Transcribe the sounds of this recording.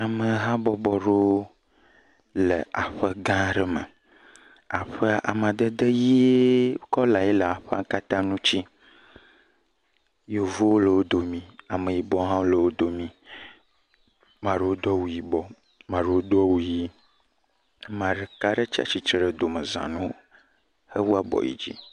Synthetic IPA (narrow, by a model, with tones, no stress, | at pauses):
a˨mə˨ɦã˦bɔ˦bɔ˨ɖo˦ | lə̰˨ʔa˨ɸə˦ɡã˦ɖə˦mə̰˨ | a˨ɸə˦ʔa̰˨m˨ã˨d̪ə˦d̪ə˦ji˦ee˦kɔ˦la˨je˦lə˨a˨ɸə˦a˦ka˦t̪ã˦nũ˦t͡ɕi˦ | jo˨vo˦wo˦lə˨wo˦d̪o˨mĩ˨a˨mə̃˨ji˨bɔ˦ɦã˦wo˦lə˨wo˦d̪o˨mĩ˨ | mã˨ɖə˨wo˦d̪ɔ˦wu˨ji˨bɔ˦ | mã˨ɖə˨wo˦d̪ɔ˦wu˨ji˦ | mã˨ɖə˨ka˦ɖə˦t͡ɕi˦a̰˦t͡ʃi˨t͡ʃɾə˨d̪o˨mə˨zã̰˨nũ˦ | hə˦wu˦a˦bɔ̰˨jḭ˦d͡ʑḭ˦